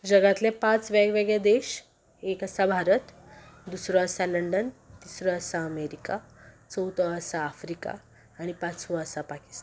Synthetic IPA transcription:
d͡ʑəɡãt̪lepat͡sʋaɡʋeɡjad̪eɕ | ekəsabʱaɾət̪ | d̪usɾɔəsaləɳɖənt̪isɾɔəsaəmeɾikat͡səwt̪ɔəsaːfɾika̰ː | ɽ̃ipãt͡sʋəəsapaki̥st̪

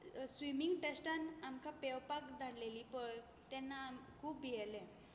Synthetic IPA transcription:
sʋimiŋɡʈesʈanamkapewpakd̪ʱaɽlelipəɭ | t̪ɛnːamkʰuːpːijɛle

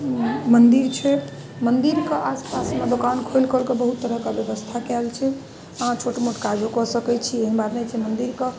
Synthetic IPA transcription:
mənd̪iɾt͡ʃʰɛ | mənd̪iɾkeʔaspasmed̪okankʰojlkəlkebəɦut̪ːəɾəkəbjəbəst̪ʰakɛlt͡ʃʰɛ | əɦãt͡ʃʰoʈmoʈkad͡ʒʱokɔsəkɛt͡ʃʰieɦənbad̪net͡ʃʰɛmənd̪iɾke

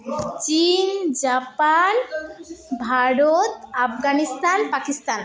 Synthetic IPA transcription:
t͡ɕind͡ʒapan | bʱaɾot̪apʰɡanist̪anpakist̪an

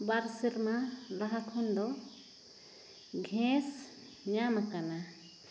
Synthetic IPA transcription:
baɾsiɾmalaɦakʰɔnd̪ɔ | ɡʱɛ̃s | ɲamakana

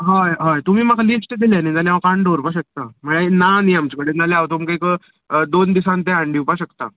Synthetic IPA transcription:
ɦajɦajt̪um̤iːmakʰalisʈed̪ilanit̪anjaʋakaɳɖoɾpaɕək̚t̪am̤əɭeenaniamt͡ɕikəɽenaleaʋt̪oməkajkə | d̪ond̪isãnt̪ẽaɳɖiwpaɕəkt̪a̰

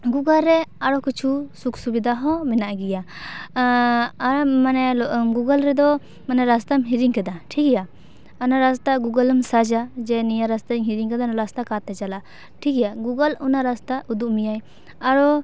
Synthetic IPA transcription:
ɡuɡalɾɛaɽɔkit͡ʃʰusuksubid̪aɦɔ̃mɛnaʔɡija | manɛlɡuɡəlɾɛd̪ɔ | manɛɾast̪amɦiɾiŋkad̪aʈʰikɛja | anaɾast̪aɡuɡələmsad͡ʒad͡ʒɛnijaɾast̪aŋɦiɾiŋkad̪anɔɾast̪akat̪ɛd͡ʒala | ʈʰikɛjaɡuɡəlunaɾast̪aʔud̪uʔmijaj | aɾɔ

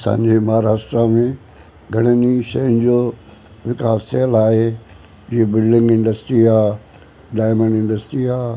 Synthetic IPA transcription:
sã̰ːɲd͡ʑemɐɦaɾaːsʈɾamẽ | ɡʱɐɽ̃əniʃɐjənd͡ʑoːʋɪkaːssɛːlaːɦe | ɪɦebɪlɖɪ̃ŋɡɪ̃ɳɖəsʈɾiaː | ɖaːɪmə̃ɳɖɪ̃ɳɖəsʈɾiaː

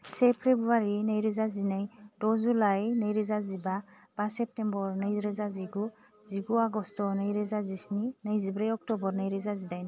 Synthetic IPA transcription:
sɛpʰɾebɾuwaɾinajɾizazinajdɔzulajnəjɾizaziba | b̥asɛp̚tembɔɾnəjzɾɛzaziɡu | ziɡuaɡɔstɔnəjɾɛzazisninajzibɾajɔk̚tɔbɔɾnajɾɛzazidajna

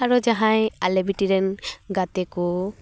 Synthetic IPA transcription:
aɹud͡ʒaɦãjalebitiɾɛnɡat̪ɛku

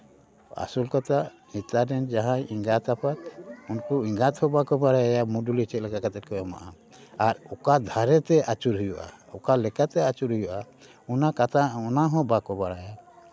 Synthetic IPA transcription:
a̰sulkɔt̪a | hit̪adɛnd͡ʒaɦãiŋɡat̪apat̪unkuiŋɡat̪hɔ̃bakɔbaɽajajamuɖulit͡ʃɛt̪̚lɛkakat̪ɛt̪̚kɔjɔma̰ʔa | aɾɔkad̪ʱaɾɛt̪ɛʔat͡ʃuɾɦujɔʔa̰ɔkalɛkat̪ɛat͡ʃuɾɦujɔʔa | unakat̪aɔnaɦɔ̃bakɔbaɽaja

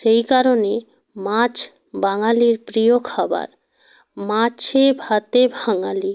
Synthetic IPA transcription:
ʃejkaɾone | mãt͡ɕ | baŋaliɾpɾiokʰaba̰ɾ | mat͡ɕʰebʱat̪ebʱaŋali

